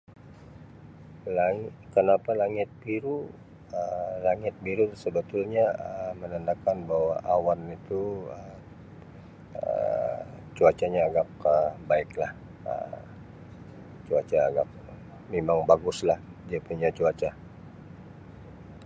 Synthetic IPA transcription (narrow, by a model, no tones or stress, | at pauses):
laŋkənapalaŋɪt̪̚biɾu | əlaŋɪt̪̚biɾusəbət̪ʊlɲaəmənəndakanbahwaʔawanit̪uə | ə̰ | t͡ʃuat͡ʃaɲaːɡak̚əbaɪklah | ə̰ | t͡ʃuat͡ʃaːɡak̚ | memaŋbaɡʊslahdiapuɲat͡ʃuat͡ʃa